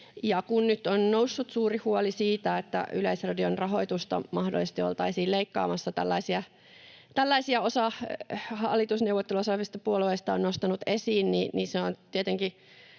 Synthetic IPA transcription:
jɑkunnyt̪onnousːut̪suːrihuolisiːt̪æet̪ːæ̰yleisrɑdionrɑɦoit̪ust̪ɑ̰mɑhdo̰lisest̪io̰lt̪ɑisiːlleikːɑ̰ːmɑsːɑt̪æ̰lːɑisiɑ | t̪ælːæisiɑosɑhɑlːˑit̪usneuʋot̪ːeluosɑsist̪ɑpuolueist̪ɑonnost̪ɑnut̪esiːnniniseont̪iet̪eŋki

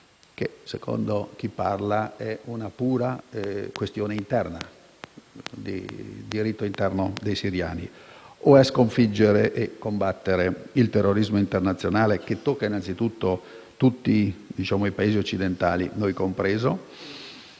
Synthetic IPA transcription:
k̟esekʰo̰nd̪ok̟ipːarlaɛunapuːɾaɛkwest̪joːneint̪ɛrna̰ | d̪ḭd̪iɾit̪ːoint̪ɛrnod̪ejsiɾja̰ːnḭoɛskoɱfid͡ʒːeɾeʔekːombat̪ːeɾeilt̪erːoɾizmoint̪ernat̪sːjonaːlek̟et̪ːokːainant̪sit̪ut̪ːo | t̪ut̪ːid̪it͡ʃaːmoipaeːziot͡ʃːid̪ent̪a̰ːlḭnojkompɾɛːzo

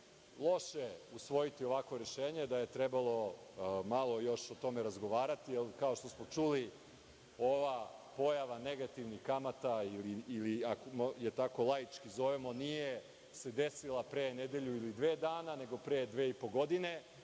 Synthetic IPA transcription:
lˠo̞ʃeusʋo̞jit̪io̞ʋakʋo̞ɾe̞ʃeːɲe̞d̪aje̞t̪ɾebalˠo̞malˠo̞jo̞ʃo̞t̪o̞meɾazɡo̞ʋaːɾat̪ielkao̞ʃt̪o̞smot͡ʂuli | o̞ʋapo̞jaʋaneɡat̪iʋnixkamat̪ailiːliakmjet̪ako̞lˠajit͡ʃkizo̞ʋemo̞nije | se̞d̪esilˠapɾeːned̪e̞ʎuilid̪ʋeːd̪aːnane̞ɡo̞pɾeːd̪ʋeːipo̞ɡo̞d̪ine̞

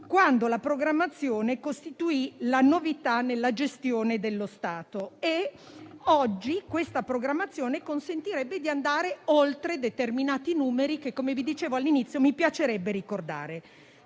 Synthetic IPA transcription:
kwand̪olapɾoɡɾamːat̪sːjoːnekost̪it̪uilanovit̪anelːad͡ʒest̪joːned̪elːost̪aːt̪oe | ɔd͡ʒːikwest̪apɾoɡɾamːat̪sːjoːnekonsent̪iɾɛbːed̪iand̪aːɾeolt̪ɾed̪et̪erminaːt̪inuːmeɾikekːomevid̪it͡ʃeːvoalːinit̪sːjomipjat͡ʃeɾɛbːeɾikord̪a̰ːɾe

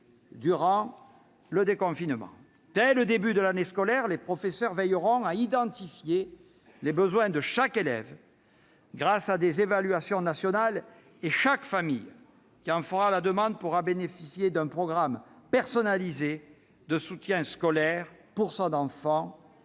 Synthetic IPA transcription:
d̪yʁɑ̃ | ləd̪ekɔ̃finmɑ̰̃ | d̪̥ɛləd̪ebyd̪əlaneskɔlɛʁlepχɔfesœʁvɛjʁɔ̃aid̪ɑ̃t̪ifje | lebəzwɛ̃d̪əʃakelɛ̰v | ɡʁasad̪ezevalɥasjɔ̃nasjɔnal | eʃakfamḭj | kʲiɑ̃fəʁalad̪əmɑ̃d̪əpuʁabenefisjed̪ɛ̃pχɔɡʁampɛʁsɔnalize | d̪əsut̪jɛ̃skɔlɛʁpuʁsɔ̃nɑ̃fɑ̃

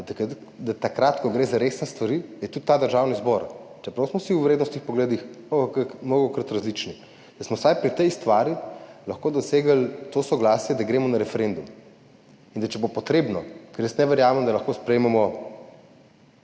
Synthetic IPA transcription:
kt̪ | d̪at̪akɾat̪kɔɡɾeːzaɾesnast̪ʋɐɾid̪ajɛt̪ut̪ːad̪əɾʒaːwnizbɔɾt͡ʃɛpɾɐwsmɔsiwʋɾed̪nɔst̪ixpɔɡleːd̪ixmɔɡɔkmɔɡɔkɾət̪ɾɐzlit͡ʃni | d̪asmɔwsajpɾit̪ɛjst̪ʋaːɾilɐxkoːd̪ɔseːɡəlt̪osɔɡlasjɛd̪aɡɾeːmɔnaɾɛfɛɾend̪um | ind̪at͡ʃɛbopɔt̪ɾebnɔkɛɾjəsnɛʋɛɾjaːmɛmd̪alɐxkospɾɛjmɛmɔ

